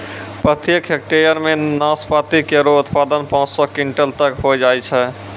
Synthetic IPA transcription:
pɾət̪jəkɦek̚ʈeɾjəɾmenaspat̪ikeɾoʊt̪pad̪ənpãʊ̃t͡ʃsɔkiɳʈəlt̪əkɦod͡ʒajt͡ʃʰɛ

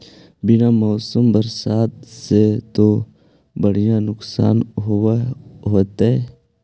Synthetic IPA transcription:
bɪnamɔːsəmbəɾsaːt̪̚set̪o | bəɽ̤ijãnʊksa̰ːnɦʊ | ɦoːt̪ɦɛ

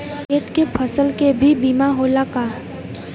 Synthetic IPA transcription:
eːt̪kepʰəsəlkebʱibiːmaɦoːlaka

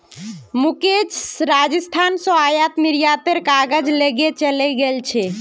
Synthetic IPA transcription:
muket͡ʃɾad͡ʒəst̪ʰansɔajat̪miɾijat̪eɾkaɡəd͡ʒleɡet͡ʃəlɛɡelt͡ʃʰɛ

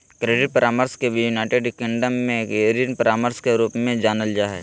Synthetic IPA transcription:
kɾeːɖɪʈ̚pəɾʔaːməɾskebʱjunaːʈeɖkɪ̃ɳɖəmːẽeːɾiənpəɾaːməɾskeɾuːpmẽd͡ʒaːnəld͡ʒaːɦɛ̰

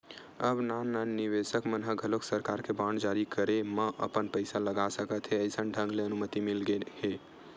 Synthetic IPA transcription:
əbnananiʋesəkmənɦəɡʱəloksəɾkaɾkebaɳɖd͡ʒaɾikəɾeməʔə̰pənpəɪsaləɡasəkət̪ɦeəjsənɖʱə̃ŋɡleənumət̪imilɡehe

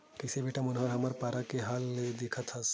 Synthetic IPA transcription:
kisebeʈamunɦəɾɦəməɾpaɾakeɦaled̪ekʰət̪ɦəs

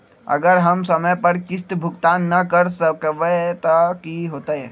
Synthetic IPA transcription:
ɐ̰ɡəɾɦɐmsɐməjpɐɾkɪst̪bʱʊkt̪aːnːɐkɐɾsəkʋet̪akiɦoːt̪aɦɛː

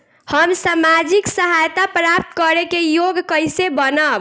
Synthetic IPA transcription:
həmsamad͡ʒiksəɦajt̪apɾapt̪kəɾekejoɡkəjsebənəb

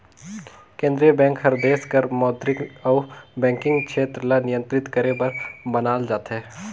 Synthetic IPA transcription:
kẽːnd̪ɾijəbɛ̃ːŋkɦɐɾd̪eːskɐɾmɔːd̪ɾɪkɔːbɛ̃ːŋkɪ̃ŋɡkʃʰeːt̪ɾlanɪjə̃nt̪ɾɪt̪kɐɾẽbɐɾbɐnaːld͡ʒaːt̪ɦɛː

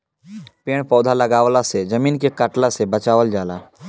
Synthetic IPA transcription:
peːɽ̃pɔːd̪ʱalɐɡaːʋlased͡ʒɐmiːnkekəʈlasebət͡ʃaːʋəld͡ʒaːlaː

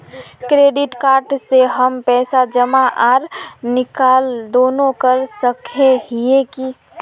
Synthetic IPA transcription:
kɾeːɖɪʈkaːɾʈseɦəmpɛːsad͡ʒəmaʔaːɾnɪkaːld̪oːnõkəɾsəkʰeɦieki

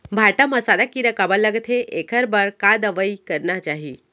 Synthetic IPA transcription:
bʱaʈəməsad̪akiɾəkabələɡt̪ʰeʔekʰəɾbəɾkad̪əʋəikəɾnat͡ʃaɦi

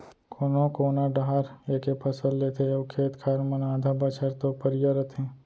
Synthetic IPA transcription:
kʰoːnõkoːnaɖaaɾeːkepʰəsəlleːt̪ʰeokʰeːt̪kʰaɾmɐnaːd̪ʱabɐt͡ʃʰəɾt̪opəɾɪjaɾət̪ʰe

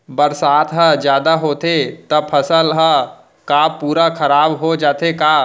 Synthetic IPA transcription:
bɐɾsaːt̪ʰɦəd͡ʒjaːd̪aɦoːt̪et̪ɐpʰɐsəlɦə | kapuːɾakʰɐɾaːbɦod͡ʒaːt̪ekaː

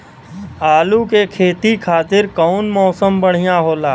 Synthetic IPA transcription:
aːlukekʰeːt̪ikʰaːt̪ɪɾkɔːnmɔːsəmbəɽ̤ijaɦoːlaː

